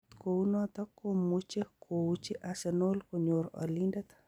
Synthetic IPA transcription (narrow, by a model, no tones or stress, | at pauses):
t̪kounwat̪akːomut͡ʃekʰout͡ʃiʔasɛnolkoɲoɾɔ̰lindat̪